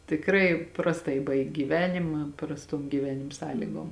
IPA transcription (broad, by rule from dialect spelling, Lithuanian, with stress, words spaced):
tʲɪkˈrɐɪ prɐsˈtɐɪ ˈbɐɪkʲ ɡʲiːˈʋʲæːnʲɪmɐ prɐsˈtoːm ɡʲiːˈʋʲæːnʲɪm ˈsɑːlʲiːɡoːm